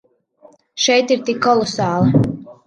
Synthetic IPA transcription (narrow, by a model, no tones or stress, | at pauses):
ʃɛjt̪iɾt̪ikːɔlˠɔsɑːlˠɨ